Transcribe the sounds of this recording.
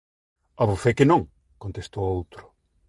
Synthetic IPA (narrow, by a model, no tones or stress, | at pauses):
ɐβofekɪnõŋ | kont̪est̪owowt̪ɾʊ̥